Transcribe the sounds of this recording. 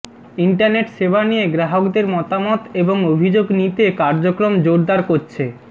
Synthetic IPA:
iɳʈaɾneʈʃebanijeɡɾaɦokd̪eɾmɔt̪amɔt̪eboŋobʱid͡ʑoɡnit̪ekaɾd͡ʑokɾomd͡ʑoɾd̪aɾkoɾt͡ɕʰe

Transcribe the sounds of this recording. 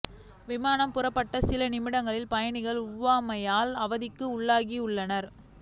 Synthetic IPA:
ʋɪmaːnɐmpʊrɐpːɐʈːɐsɪlɐnɪmɪɽɐŋɡɐɭɪlpɐjɐɳɪɣɐɭʊʋːaːmɐjaːlɐʋɐðɪkːɯʊɭːaːɣiʊɭːɐnɐɾ

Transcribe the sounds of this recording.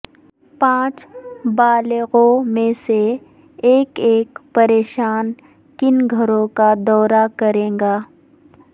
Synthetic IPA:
pãːt͡ʃbaːlɣõmẽse | eːkeːkpɐɾeːʃaːn | kɪnɡʱɐɾõkad̪ɔːɾakɐɾẽːŋɡaː

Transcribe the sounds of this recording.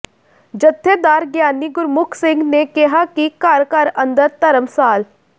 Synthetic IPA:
d͡ʒət̪ʰːed̪aːɾɡjaːnːiɡʊɾmʊkʰsɪ̃ŋɡnekɪɦakikaːɾkaːɾə̃nd̪əɾt̪ɐɾəmsaːl

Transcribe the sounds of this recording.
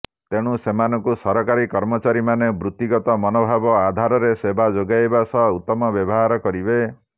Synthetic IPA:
t̪eɽ̃usemanɔŋkusɔɾɔkaɾikɔɾmɔt͡ʃaɾimanebɾut̪ːiɡɔt̪ɔmɔnobʱabɔad̪ʱaɾɔɾesebʱad͡ʒoɡajbasɔut̪ːɔmɔbjɔbɔɦaɾɔkɔɾibe

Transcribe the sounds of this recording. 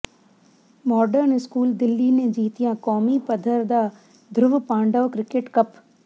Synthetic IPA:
mɔːɖəɾnɪskuːld̪ɪlːinẽd͡ʒiːt̪ijãkɔːmipɐd̪ʱəɾd̪aː | d̪ʱɾʊʋpãːɳɖəːkɾɪkeʈkɐp

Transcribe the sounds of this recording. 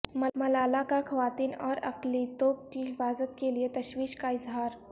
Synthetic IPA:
mɐlaːlakaxɐʋaːt̪iːnɔːɾɐ̰qlit̪oːp̚kiɦɪfaːzət̪keliet̪ɐʃwiːʃkaɪzɦaːɾ

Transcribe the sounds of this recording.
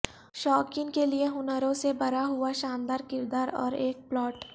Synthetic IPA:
ʃɔːkɪ̃ŋkelieɦʊnəɾõsebɐɾaɦʊaʃaːmd̪aːɾkɪɾd̪aːɾɔ̰ːɾeːk̚plɔːʈ

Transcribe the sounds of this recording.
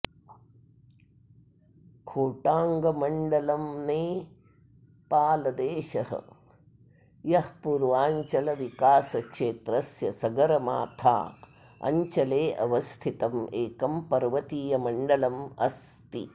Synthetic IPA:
kʰoːʈaːŋɡɐmɐɳɖɐlɐmneː | paːlɐd̪eːʃɐɦɐ̰ | jɐhpuːɾʋaːɲt͡ʃɐlɐʋikaːsɐkʂeːt̪ɾɐsjɐsɐɡɐɾɐma̰ːt̪ʰa̰ː | ɐ̰ɲt͡ʃɐleːʔɐʋɐst̪ʰit̪ɐmeːkɐmpɐɾʋɐt̪iːjɐmɐɳɖɐlɐmɐ̰st̪ḭ

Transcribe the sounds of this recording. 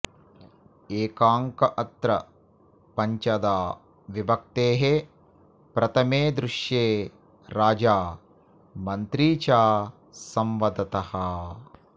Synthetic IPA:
eːkaːŋkɐʔɐt̪ɾɐ̰ | pɐɲt͡ʃɐd̪aː | ʋibɐk̚t̪eːɦe | pɾɐt̪ʰɐmeːd̪ɾuʂjeː | ɾaːd͡ʒaː | mɐnt̪ɾiːt͡ʃaː | sɐmʋɐd̪ɐt̪ɐhɐ

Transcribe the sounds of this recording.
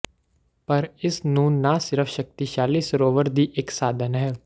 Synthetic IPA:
pɐɾɪsnũːnasɪɾəfʰʃək̚t̪iʃaːliːsɾoːʋəɾd̪iːʔeksaːd̪ʱənɦɛː

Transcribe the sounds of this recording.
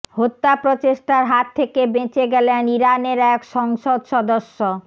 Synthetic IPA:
hot̪ːapɾot͡ɕeʃʈaɾɦat̪ʰːekebẽt͡ɕeɡɛleaniɾaneɾɛkʃɔŋʃod̪ʃɔd̪oʃːo

